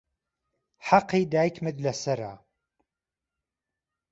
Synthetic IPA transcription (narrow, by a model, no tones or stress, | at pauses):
ħaqːiːd̪aːjkmɨd̪lɐsɐɾa̰